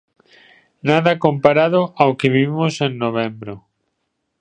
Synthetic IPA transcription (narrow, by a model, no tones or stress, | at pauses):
naðɐkompaɾaðʊʔawkɪβiimoseŋnoβ̞ɛmbɾo